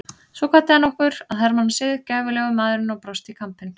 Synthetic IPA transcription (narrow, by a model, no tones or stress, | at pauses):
svɔkʰvat̪ːɪanːɔhkʏɾ̥aðθaɾmanːsɪðɪ̥caːvʏlɛːɣʏmaðɾʏnawpɾɔst̪ikʰampɪn